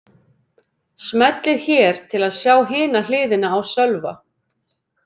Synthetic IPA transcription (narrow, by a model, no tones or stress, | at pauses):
smɛt̪lɪɾ̥çɛːɾ̥t̪ʰɪlaðsjaːwɦɪːnalɪːðɪnaːwsœlva̰